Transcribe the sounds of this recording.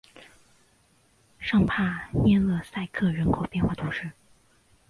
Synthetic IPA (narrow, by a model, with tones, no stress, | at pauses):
ʂɑ˥˧ŋpʰa˥˩njɛ˥˩nlə˥˩sa˥˧ɪkʰɤ˥˩ɻə˧˥nkʰo˨˩ʊpjɛ˥˧nxwa˥˩t̪ʰu˧˥ŋʂɻ̩˥˩